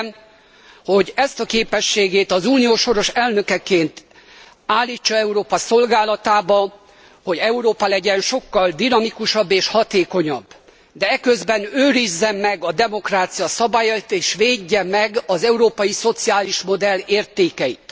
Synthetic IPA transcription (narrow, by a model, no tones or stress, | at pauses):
m | ho̞ɟɛst̪ɒkeːpɛʃːeːɡeːt̪ɒzuːnijoːʃo̞ɾo̞ʃɛlnø̞kɛkeːnt̪ | aːlːiːt͡ʃːɒɛuɾoːpɒso̞lɡaːlɒt̪aːbɒ | ho̞ɟɛuɾoːpɒlɛɟɛnʃo̞kːɒld̪inɒmikuʃɒbːeːʃhɒt̪eːko̞ɲɒbː | d̪ɛɛkøzbɛnøːɾizːɛmːɛɡɒd̪ɛmo̞kraːt̪sijɒsɒbaːjɒit̪eːʃʋeːɟːɛmːɛɡɒzɛuɾoːpɒjiso̞t̪siaːliʃmo̞d̪ɛlːeːrt̪eːkɛjḭt̪